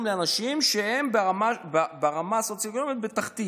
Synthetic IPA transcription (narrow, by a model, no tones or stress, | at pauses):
mleanaʃimʃehe̞mbeamababaʁamaso̞t͡sjoekono̞mit̪bet̪aχtt̪i